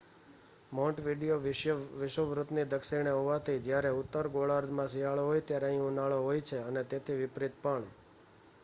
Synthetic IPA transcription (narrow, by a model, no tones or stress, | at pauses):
mɔ̃ʈʋiɖijoʋɪʃəʋɾut̪nid̪əkʃiɽ̃eɦoʋat̪ʰid͡ʒjaɾeʊt̪ːəɾɡoɭaɾd̪mãsiɦaɭoɦojt̪jaɾeəɦĩunaɭoɦojt͡ʃʰeənet̪et̪ʰiʋɪpɾit̪̚pəɳ